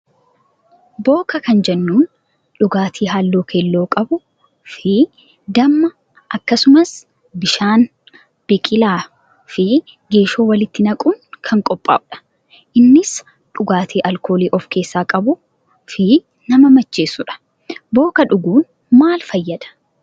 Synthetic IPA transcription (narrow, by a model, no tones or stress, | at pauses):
bo̞ːkɐkɐnd͡ʒɛnːuːn | ᶑʊɡaːt̪ʰiːɦaːlːoːkʰelːo̞ːkʼɐbʊ | fɪ | d̪ɐmːɐ | ʔɐkːɐsʊmɐs | bɪʃaːn | b̥ɛkʼɪlaː | fɪ | ɡe̞ːʃo̞ːwɐlɪt̪ːɪnɐkʼʊnkʰɐŋkʼɔpʼːa̰ːʔʊᶑɐ̥ | ʔɪnːɪs | ᶑʊɡaːt̪ʰiːʔɐlko̞ːliːʔɔfke̞ːsːaːkʼɐbʊ | fɪ | nɐmɐmɐt͡ʃːe̞ːsːʊᶑɐ̥ | bo̞ːkɐᶑʊɡuːn | maːlfɐjːɐd̪ɐ̥